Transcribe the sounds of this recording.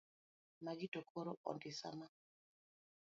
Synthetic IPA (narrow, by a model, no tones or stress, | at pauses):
maɡitokʰoɾoʔɔ̰ndɪsa̰ma